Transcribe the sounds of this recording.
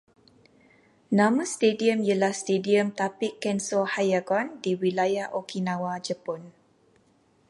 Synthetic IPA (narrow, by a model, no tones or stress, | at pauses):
nãmə̃st̪ediəmjəlahst̪ediəmt̪apikːɛnsɔhajaɡɔndiwilajahʔokʰinãwad͡ʒəpɔn